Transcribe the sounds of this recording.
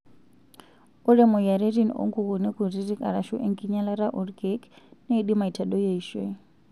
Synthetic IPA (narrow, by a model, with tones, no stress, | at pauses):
u˦ɾɛ˦mɔ˨ja˨ɾe˦ɾi˦no̰˦ŋɡu˨ɣuni˦ku˨ɾi˦ɾi˦kʼa̰˨ɾaʃu˦ʔe˦ŋkʼiɲa˦la˦ɾa˦ʔɔ˨ɾkeknɛː˦ɗima˨i˨tʰa˨ɗɔ˦jeiʃwɛ˦